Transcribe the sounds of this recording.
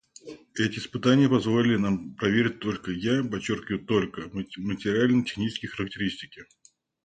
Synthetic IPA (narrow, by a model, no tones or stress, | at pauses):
ɛtʲɪɪspɨt̪anʲɪjəpɐzvolʲɪlʲɪnampɾɐvʲeɾʲɪt̚ʲt̪o̞lʲkəjapɐt͡ɕːorkʲɪvʊt̪o̞lʲkəmətʲɪɾʲɪalʲnətʲɪ̥xnʲit͡ɕɪskəjxəɾək̚tʲɪɾʲisʲtʲɪkʲɪ